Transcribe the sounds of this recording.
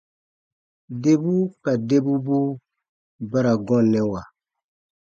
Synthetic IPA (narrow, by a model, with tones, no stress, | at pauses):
de˦bu˦ka˨de˦bu˦bu˦ | ba˦ɾa˨ɡɔ̃˦˨lɛ̃˦wa˨